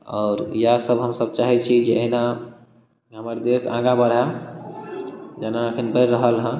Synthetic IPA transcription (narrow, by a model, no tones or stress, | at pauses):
ɔːɾjasəbɦəmsəb̚t͡ʃaɦɛt͡ʃʰid͡ʒeəɦna | ɦəməɾd̪esãɡabəɽɦa | d͡ʒanaəkʰinbəɾːəɦəlɦə̃